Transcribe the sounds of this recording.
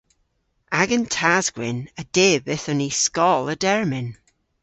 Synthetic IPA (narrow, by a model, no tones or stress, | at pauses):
aɡəntʰazɡwɪnəd̥eːbɪθɔniskɔlˠədɛɹmɪn